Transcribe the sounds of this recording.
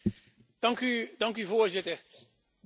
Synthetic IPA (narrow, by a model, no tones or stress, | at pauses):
d̥ɑŋkydɑŋkyvoːɹzɪtəɹ